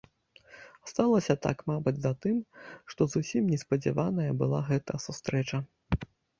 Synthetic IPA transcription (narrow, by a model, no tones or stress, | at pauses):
st̪alˠɐsʲɐt̪a̰kmabɐd͡zʲzɐt̪ɨmʂt̪ɔzusʲimnʲɛspɐd͡zʲa̰vanɐjɐbɨlˠa̰ɣɛt̪ɐjɐsust̪ɾɛt͡ʂɐ